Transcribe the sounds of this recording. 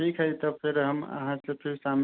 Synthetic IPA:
ʈʰikɦəjt̪ɔpʰeɾɦəmə̰ɦãsẽpʰeɾsam

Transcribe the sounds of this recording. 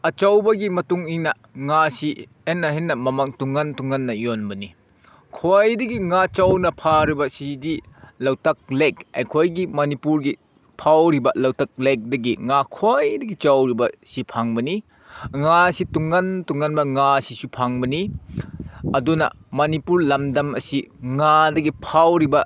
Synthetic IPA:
ɐt͡ʃɐwbɐɡimɐtuŋiŋnɐ | ŋasi | enːɐɦinːɐmɐmɐŋtuŋːɐntuŋːɐnːɐjonbɐni | kʰojdɐɡiŋat͡ʃɐwnɐpʰaɾibɐsidi | lɐwtɐk̚lekɐ̰jkʰojɡimɐnipuɾɡi | pʰawɾibɐlɐwtɐk̚lek̚dɐɡiŋakʰojdɐɡit͡ʃɐwɾibɐsipʰaŋbɐni | ŋasituŋːɐntuŋːɐnbɐŋasisupʰaŋbɐni | ɐdunɐ̰mɐnipuɾlɐmdɐmɐ̰siŋadɐɡipʰawɾibɐ

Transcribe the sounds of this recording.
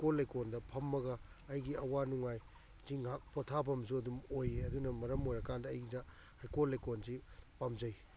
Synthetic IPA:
kolːajkondɐpʰɐmːɐɡɐː | jɡiɐwanuŋaj | ziŋɦak̚potʰabɐmzuɐdumojeɐdunɐmɐɾɐmojɾɐkandɐːjɡidahajkolːajkonzipamzɐj

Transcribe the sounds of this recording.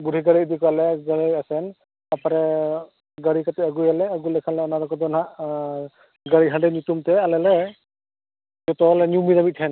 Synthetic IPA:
budʱiɡaɹiːdikɔalɛɡaɹiasɛn | apaɾɛ | ɡaɹikatɛaɡujalɛaɡujlɛkʰanlɛɔnaɾɔkɔdɔna | ɡaɹiɦadɛnitumtɛalɛlɛ | zɔtɔlɛnjumidamitʰɛn

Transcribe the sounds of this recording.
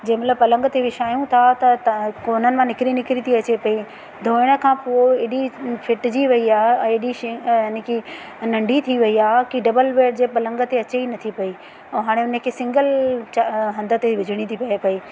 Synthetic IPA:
d͡ʑɐ̃ɦɪ̃mɐt̪ləb̚pɐlə̃ŋɡət̪eʋɪʃaːjũt̪ʰat̪ɐkoːnənɪ̆mãnɪkɪɾinɪkɾit̪ʰiɐt͡ɕepɐi | d̪ʱoːɪɽ̃ə̆kʰãːpuoeɗifʰɪʈd͡ʑiʋɐiaːɦeɛ̃ɪɗiʃɪɪnki | nɐ̃ɳɖʱit̪ʰiʋɐiaːɦekiɖɐbəlʋeːʈ̚d͡ʑeːpɐlə̃ŋɡət̪eɐt͡ɕeinɐt̪ʰipɐi | ɛ̃ːɦaːɽ̃eʊnəkʰeːsɪ̃ŋɡəlt͡ɕɦɐ̃nd̪ə̆t̪eʋɪd͡ʑʱɪɽ̃it̪ʰipɐepɐiː

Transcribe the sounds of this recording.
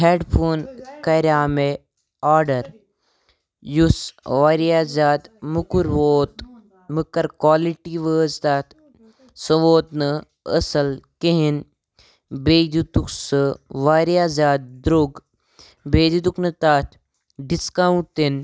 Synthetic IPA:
ɦeːɖpʰoːnkɐɾʲjaːme | aːɾɖɐɾ | jusʋaːɾijaːzaːd̪mukuɾʋoːt̪ | mukɐɾkwaːliʈiʋəːzt̪aːt̪ʰ | sɐʋoːt̪nɨ | ə̰sɐlkeɦin | beːd̪ut̪uksɨʋaːɾiaːzaːd̪̚d̪ɾoɡ | beːd̪ud̪uknɨt̪aːt̪ʰ | ɖiskaːuɳʈ̚ʈt̪in

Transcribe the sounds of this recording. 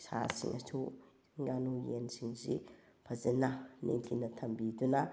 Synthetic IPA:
sa̰sḭŋʔɐ̰tʰu | ŋɡanujensiŋzḭ | pʰazenːanḛŋtʰinɐt̪ʰɐmbiduna

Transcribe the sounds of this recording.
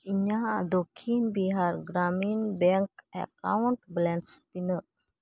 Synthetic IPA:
iɲad̪okʰinbiɦaɾɡɾaminbɛŋkɛ̰ka̰wuɳʈblɛɳst̪inəʔ

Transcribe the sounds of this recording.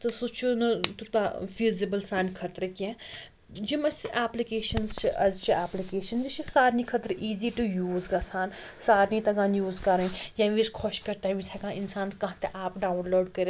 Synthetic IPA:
t̪ɐsut͡ʃʰonɐt̪ut̪aʋiːzibəlsaːnkʰɐt̪ɾəkiɛ̃ | d͡ʒimɐsiʔaːplikeːʃɐnzt͡ʃʰiʔɐzt͡ʃʰiaːplikeːʃɐnzit͡ʃʰisaːɾnikʰɐt̪ɾʔiːziʈujuːzɡaːsaːn | saːɾnit̪ɐɡãːnjuːzkɐɾɐĩjãːʋiskʰoʃkɐɾt̪aɦbisʰakãːinsaːnkɐ̃ɦãt̪eʔaːpɖaːwnloːɖkɐɾe

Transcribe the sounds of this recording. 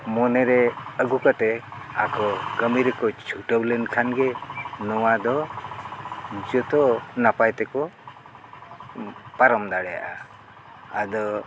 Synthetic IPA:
mɔnɛɾɛəɡukat̪ɛ | akɔɡəmiɾɛkɔt͡ʃʰuʈəwlɛnkʰanɡɛnɔwad̪ɔ | d͡ʒɔt̪ɔnapajt̪ɛkɔ | paɾɔmd̪aɽɛja̰ʔa | ad̪ɔ

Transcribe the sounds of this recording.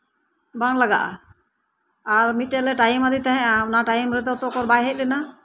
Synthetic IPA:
baŋlaɡa̰ʔa̰ | aɾmit̪̚ːɛlɛʈajmad̪it̪aɦɛ̃ʔanaʈajmɾɛt̪ɛɔt̪ɔkɔɾbajɦɛc̚lɛna

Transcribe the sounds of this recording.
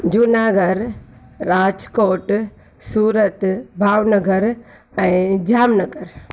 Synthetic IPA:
d͡ʒunaːɡəɾː | aːd͡ʒkoːʈ | suːɾət̪bʱaːʋnɐɡʱəɾ | ɛ̃ːd͡ʒaːmnɐɡəɾ

